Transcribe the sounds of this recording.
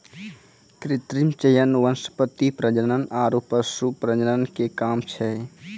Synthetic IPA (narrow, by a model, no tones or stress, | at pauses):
kɾɪt̪ɾimt͡ʃəjənʋənspət̪ːipɾəd͡ʒənənaːɾoːpəsupɾəd͡ʒənənkekaːmt͡ʃʰɛ